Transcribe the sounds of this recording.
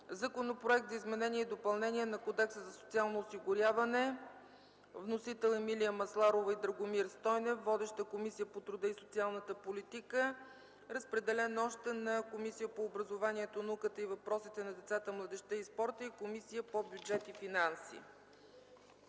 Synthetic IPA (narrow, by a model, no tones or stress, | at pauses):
zɐkonopɾoɛk̚t̪zəizmɛnɛniɛid̪opəlˠnɛnʲiɛnɐkod̪ɛksəzɐsot̪sialˠnoːsiɡʊɾʲjavɐnɛ | vnosit̪ɛlˠɛmilijəmɐslˠaɾovəid̪ɾəɡomiɾst̪ɔjnɛfːɔd̪ɛʃt̪əkomisijəpot̪ɾud̪əisot̪sialˠnət̪əpolit̪ikə | ɾəspɾɛd̪ɛlɛnɔʃt̪ɛnɐkomisijəpoːbɾəzovaniɛt̪onəukət̪əivɐpɾɔsit̪ɛnɐd̪ɛt̪sat̪əmlˠəd̪ɛʃt̪əispɔɾt̪əikomisijəpobjud͡ʒɛt̪ifinansḭ